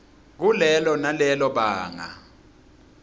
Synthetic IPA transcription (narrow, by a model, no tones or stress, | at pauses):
k̬ulɛlɔnalɛlɔɓaːŋa̰